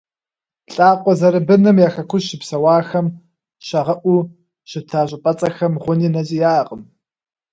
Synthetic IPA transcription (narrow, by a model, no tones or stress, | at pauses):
ɬʼaːqʷʼɔzɐɾɨbɨnɨmjaːxɐkʷʰʊʃɪpsɐwɑːxɐm | ɕɐʁɐʔʷuː | ɕɪtʰaːɕʼɪpʼɐt͡sʼɐxɐmʁʷʊniːnɐzʼijaːqʼəm